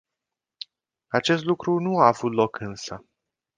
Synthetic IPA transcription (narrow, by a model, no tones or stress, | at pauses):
at͡ʃe̞st̪lukɾunuaːvut̪lo̞kɨnsə